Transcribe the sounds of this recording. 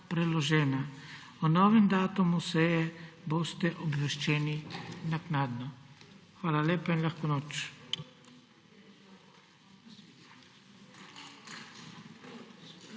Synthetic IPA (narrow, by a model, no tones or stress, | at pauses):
pɾɛlɔʒɛːna | ɔnɔːʋɛmd̪aːt̪umusɛjɛboːst̪ɛʔɔbʋɛʃt͡ʃɛːninaknaːd̪nɔxʋaːlaleːpainlaxkɔnoːt͡ʃ